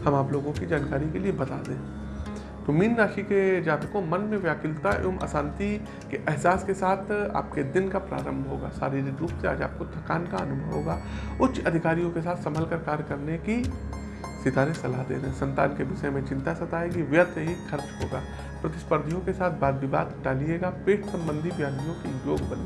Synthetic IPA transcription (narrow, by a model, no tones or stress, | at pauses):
hɐmaːploːɡõkid͡ʒaːnkaːɾikeliebɐt̪a̰ːd̪ẽː | t̪omiːnːaːʃiked͡ʒaːt̪əkõmɐnmẽʋjaːkɪlt̪aomʔɐ̰sãːnt̪i | keʔɛɦsaːskesaːt̪ʰa̰ːp̚ked̪ɪnkapɾa̰ːɾə̃mbʱɦoːɡa̰ːsa̰ːɾiɾikɾuːpsea̰ːd͡ʒa̰ːp̚kot̪ʰɐkaːnkaɐnʊbʱəʋɦoːɡaːʊtːʃɐd̪ʱɪkaːɾijõkesaːt̪ʰsɐmʱəlkəɾkaːɾjkɐɾneki | sɪt̪aːɾẽsɐlaɦd̪ḛːɾəɦɛ̃sɐ̃nt̪aːnkeʋɪʃəemẽt͡ʃɪ̃nt̪asɐt̪aːeɡiʋjət̪eɦixʰɐɾt͡ʃɦoːɡaː | pɾɐt̪ɪ̥spəɾd̪ʱijõkesaːt̪̚ʰbaːd̪bɪba̰ːd̪ɖaːlieːɡapeːʈʰsɐ̃mbə̃nd̪ʱibjaːd̪ijõkijoːɡbɐn